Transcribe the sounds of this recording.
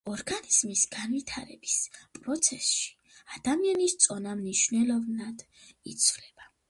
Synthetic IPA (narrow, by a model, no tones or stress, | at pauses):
ɔɾɡaniz̥misɡ̥anvit̪ʰaɾɛbispʼɾɔt̪sʰɛsʃi̥ | ad̪̥amianist̪sʼɔnamniʃvnɛlɔvnad̪̥ | it̪sʰvlɛb̥a